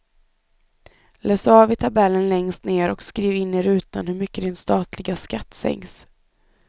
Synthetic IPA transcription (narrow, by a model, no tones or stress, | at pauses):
løːsɑːvɪt̪ʰabɛlːənlɛŋst̪neːɾɔkskɾiːvɪnːeːɾʉ̟ːt̪anhɵɾmʏkːəd̪ɪnst̪ɑːt̪ʰlɪɡaskat̪ːsɛ̰ŋs